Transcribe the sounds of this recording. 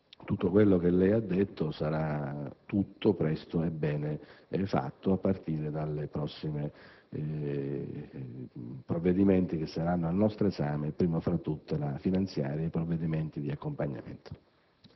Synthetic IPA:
t̪ut̪ːokwelːok̟elːɛjad̪ːet̪ːosaɾat̪ːut̪ːopɾɛst̪oebɛːnefa̰t̪ːoapːart̪iːɾed̪alːepɾɔsːime | pɾovːed̪iment̪ik̟esːaɾanːoalnɔst̪ɾezaːmepɾiːmofɾat̪ːut̪ːelafinant̪sja̰ːɾipɾovːed̪iment̪id̪iakːompaɲːa̰mḛnt̪o̥

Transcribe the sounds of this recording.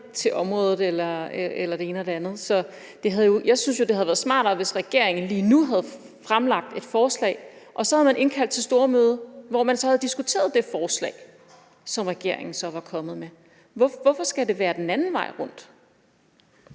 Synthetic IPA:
t͡sʰe̝ʔɒ̽mʁɔ̽ːð̞̩ˠelɐeelɐd̥ee̝ːnəɒd̥e̝ænð̩ˠsɒ̽ | d̥e̝ɦæðˠjo̝jɑ̈ɪsynsjo̝d̥e̝hæð̩ˠʋæɐðˠsmɑ̰̈ːd̥ɒʋe̝sʁɛɡ̥e̝ɐ̰eŋn̩liːnuɦæð̞̩ˠ | fʁamlɑ̈ɡ̥̚d̥e̝d̥fɒːslɛ̰ɪʔɒ̽sɒ̽hæðˠmænʔe̝nkʰæld̥t͡sʰesd̥o̝ːɐmøːð̞ˠɐʋɒmænsɒhæðˠd̥isɡ̥ut͡sʰe̝̰ːɐðˠd̥e̝fɒːslɛ̰ːɪ | sɒ̽mʁɛɡ̥e̝ɐ̰e̝ŋn̩sɒ̽ʋɑ̈kʰɒ̽mð̩ˠme | ʋɒʋɒfɒ̽sɡ̥æd̥e̝ʋæːɐd̥enænn̩ʋɑ̈ɪʁɔ̽n̰d̥

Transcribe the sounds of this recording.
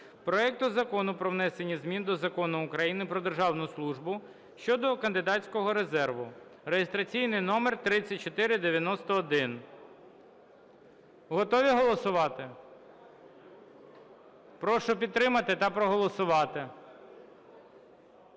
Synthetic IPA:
pɾɔɛk̚t̪ʊzɐkɔnʊpɾɔʋnɛsenʲːizmʲind̪ɔzɐkɔnʊːkɾɐjinɪpɾɔd̪erʒɑwnʊslˠuʒbʊ | ʃt͡ʃɔd̪ɔkɐnd̪ɪd̪ɑt͡ssʲkɔɦɔɾezɛrʋʊɾejest̪ɾɐt͡sʲijnɪjnɔmert̪ɾɪt͡sʲːɐt̚ʲt͡ʃɔt̪ɪɾɪd̪eʋʲjɐnɔst̪ɔːd̪ɪn | ɦɔt̪ɔʋʲiɦɔlˠɔsʊʋɑt̪ɪ | pɾɔʃɔpʲid̪̚t̪ːɾɪmɐt̪ɪt̪ɐpɾɔɦɔlˠɔsʊʋɑt̪ɪ

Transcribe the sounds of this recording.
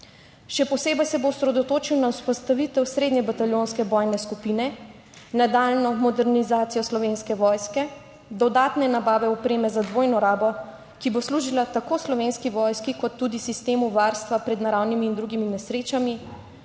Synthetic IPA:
ʃɛpɔseːbɛjsɛbousɾɛd̪ɔt̪oːt͡ʃiwnauspɔst̪aʋit̪ɛwsɾeːd̪ɲɛbat̪aljoːnskɛbɔjnɛskupinɛ | nad̪aːlnɔmɔd̪ɛɾnizaːt̪sijɔslɔʋenskɛʋɔjskɛ | d̪ɔd̪aːt̪nɛnabaːʋɛɔpɾeːmɛzad̪ʋoːjnɔɾaːbɔ | kibosluːʒilat̪akoːslɔʋeːnskiʋɔjskikɔt̪ːuːd̪isist̪eːmuʋaɾst̪ʋapɾɛd̪naɾawnimiːnd̪ɾuɡiminɛsɾeːt͡ʃami

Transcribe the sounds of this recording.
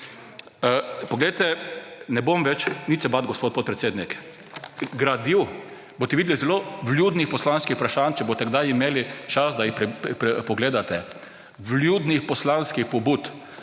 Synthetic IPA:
pɔɡlejt̪ɛnɛbomʋɛt͡ʃnit̪sɛbat̪ɡɔspoːt̪̚pot̪̚pɾɛt̪seːd̪nik | ɡɾad̪iw | bot̪ɛʋid̪ɛlizɛloblʲjuːd̪nixpɔslanskixpɾaʃant͡ʃɛboːst̪ɛɡd̪ajimeːlit͡ʃasd̪ajipɾɛpɾɛpɔɡleːd̪at̪ɛ | bljud̪nixpɔslanskixpɔbut̪

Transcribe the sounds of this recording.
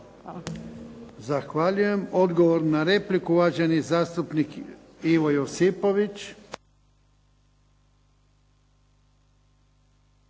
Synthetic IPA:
zaxʋaʎuje̞mod̪ɡoʋoɾnaɾeplikuʋaːd͡ʒenizaːst̪upnik | iʋojosipo̞ʋit͡ʃ

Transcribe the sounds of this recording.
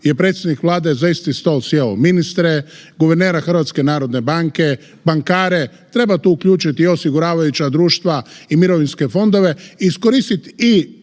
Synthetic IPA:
je̞pɾet̪sʲjed̪nikʋlˠaːd̪ezaist̪ist̪olsjelominist̪ɾeɡuʋeɾneːɾaxr̩ʋat̪ske̞naːɾo̞d̪ne̞baŋke̞ | baŋkaːɾe̞ | t̪ɾe̞bat̪uːukʎuːt͡ʃit̪io̞siɡuɾaːʋajut͡ɕad̪ɾuːʃt̪ʋaimiɾo̞ʋinske̞fo̞nd̪o̞ʋe̞iːsko̞ɾist̪it̪i

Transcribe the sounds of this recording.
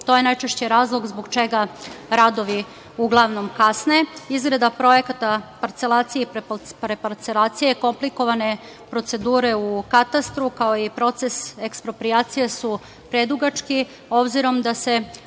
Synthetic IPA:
t̪o̞je̞najt͡ʃe̞ʃt͡ɕeɾaːzlˠo̞ɡzbo̞ɡt͡ʃe̞ɡaɾad̪o̞ʋi | uɡlˠaʋno̞mkasne̞izɡɾed̪apɾo̞je̞kat̪apaɾt̪se̞lˠaːt̪sijeppɾepaɾt̪selˠaːt̪sije̞ko̞mpliko̞ʋane̞ | pɾo̞t̪se̞d̪uːɾe̞ukat̪ast̪ɾukao̞ipɾo̞t̪se̞se̞kspɾo̞pɾiaːt̪sijesu | pɾed̪uɡat͡ʃki | o̞bziɾo̞md̪ase̞

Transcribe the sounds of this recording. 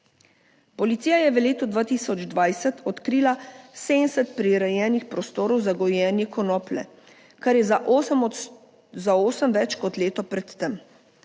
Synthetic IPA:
pɔlit̪siːjajɛʋəleːt̪ud̪ʋaːt̪iːsɔd͡ʒd̪ʋajsɛt̪ʰɔt̪kɾiːlaseːnsɛt̪̚pɾiɾɛjɛːnixpɾɔst̪oːɾɔwzaɡɔjɛːnjɛkɔnɔːplɛ̰ | kaɾjɛzaʔ | zaoːsəmʋɛt͡ʃkɔt̪leːt̪ɔpɾɛt̪ːɛm

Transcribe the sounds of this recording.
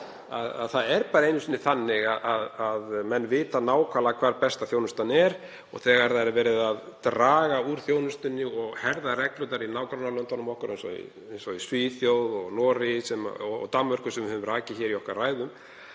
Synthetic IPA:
a̰ða̰ðθaðɛɾpaːɾaejnʏsiːnːɪθanːɪɣaðʔaðaðmɛnːvɪːt̪anaːwkʰvaːlakʰvaːɾpɛst̪aθjoːwnʏst̪anɛɾ̥ | ɔ̰ɣθɛɣaɾðaɛɾvɛːɾɪðaðt̪ɾaːɣauɾ̥θjownʏst̪ʏnːɪɔɣhɛɾðarɛklut̪aɾinaːwkɾawnalœnt̪ɔnʏmɔhkʏɾɛnsɔ̰ḭ | ɛnsɔisviθjowðɔɣnɔːɾɪsɛm̰ɔɔ̰t̪amːœɾ̥kʏsɛmvɪhʏvʏmɾaːcɪçɛːɾiɔhkarraːjðʏm

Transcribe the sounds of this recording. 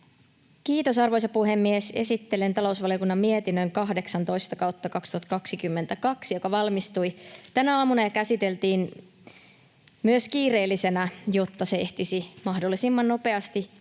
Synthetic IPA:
kiːt̪o̞sɑrʋojsɑpuhe̞mːiesesit̪ːelent̪ɑlo̞usʋɑlijo̞kunːɑmmiet̪inːøŋkɑhde̞ksɑnt̪o̞jst̪ɑkɑwt̪ːɑkɑkst̪uhɑt̪kɑksikymːent̪ækɑksijo̞kɑʋɑlmist̪ujt̪ænæɑːmunɑjɑkæsit̪elt̪iːn | myøskiːreːlːise̞næjo̞t̪ːɑsee̞ht̪isimɑhdo̞lːˑisimːɑnno̞pe̞ɑst̪i

